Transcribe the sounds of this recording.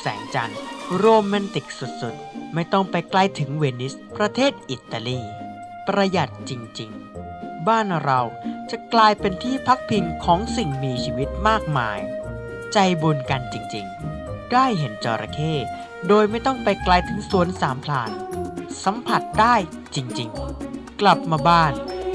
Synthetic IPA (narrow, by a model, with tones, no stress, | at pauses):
sɛ̰ː˩˦ŋt͡ɕa̰˧nɾoː˧maː˧nt̪i˨˩k̚su˨˩t̪̚su˨˩t̪̚ma˥˩jt̪ɔ˥˩ŋpa˧jklaː˧jt̪ʰɯ˩˦ŋweː˧ni˦˥s | pɾa˧t̪ʰeː˥˩t̪̚ʔi˨˩t̪ːa˧liː˧˩ | pɾa˧ja˨˩t̪̚t͡ɕi˧ŋt͡ɕi˧ŋbaː˥˩nɾa˧wt͡ɕa˨˩klaː˧jpe˧nt̪ʰiː˥˩pʰa˦˥k̚pʰi˧ŋkʰɔː˩˦ŋsi˨˩ŋmiː˧t͡ɕʰiː˧wi˦˥t̪̚maː˥˩k̚ma̰ː˧j | t͡ɕa˧jbu˧nka˧nt͡ɕi˧ŋt͡ɕḭ˧ŋ | daː˥˩jɦe˩˦nt͡ɕɔ̰ː˧ɾʔa̰˧kʰeː˥˩t̪̚ | doː˧jma˥˩jt̪ɔ˥˩ŋpa˧jklaː˧jt̪ʰɯ˨˩˦ŋsu˩˦ənsaː˩˦mpʰla̰ː˨˩nsa˩˦mpʰa˨˩t̪̚daː˥˩j | t͡ɕi˧ŋt͡ɕi˧ŋkla˨˩p̚maː˧baː˥˩n